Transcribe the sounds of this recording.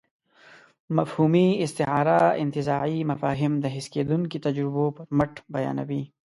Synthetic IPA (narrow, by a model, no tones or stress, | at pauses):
mɐfhuːmiɪst̪ɪɦaːɾaɪ̰nt̪ɪzaːʕimɐfaːɦɪmd̪ɐɦɪskeːd̪unkit̪ɐd͡ʒɾɪbõpɐɾmɐʈbɐja̰ːnɐ̰biː